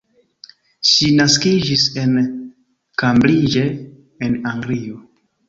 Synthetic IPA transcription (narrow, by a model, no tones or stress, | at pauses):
ʃinaskid͡ʒise̞n | kamblid͡ʒe̞ː | naŋɡlio